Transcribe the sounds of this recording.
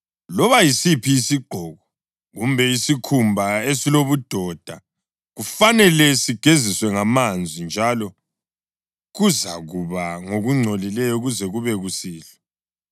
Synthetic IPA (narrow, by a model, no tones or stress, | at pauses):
lɔβajisipʰiːsiɡ͡ǃʱɔɣɔ | ɣumbʱɛisikʰumbʱaesiloβud̥ʱɔd̥ʱa | ɣufanɛlɛsiɡ̥ʱeziswɛŋamand͡zʱind͡ʒʱalɔ | ɣuzaɣuβaŋoɣuŋ͡ǀʱolilɛjɔuɣuzɛɣuβɛɣusiːlɔ